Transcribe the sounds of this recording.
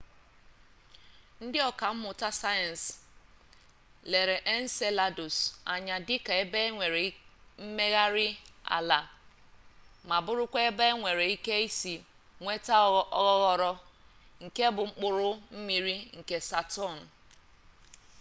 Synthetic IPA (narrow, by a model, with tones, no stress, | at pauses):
n̩˦dɪ˦ɔ˨ka˨m̩˦mʊ˨ta˦sa˦je˨n̩˨s | le˨ɾe˨ʔe˦n̩˦se˦la˨dʊ˨sa˨ɲa˨dɪ˦ka˨e˦be˦ŋʷe˨ɾe˨˦m̩˦me˦ɣa˦ɾɪ˦a̰˨la˨ | ma˨bʊ˦ɾʊ˦kʷe˦e˦be˦e˦ŋʷe˨ɾe˨i˦ke˦i˦si˨ | ŋʷe˦ta˦ɣɔ˦ɣɔ˨ɾɔ˦ | ŋ̩˨ke˦bʊ˨ŋ͡m̩˦k͡pʊ˨ɾʊ˦m̩˦mi˨ɾi˦ŋ̩˨ke˨sa˨tɔ˦˨n̩˨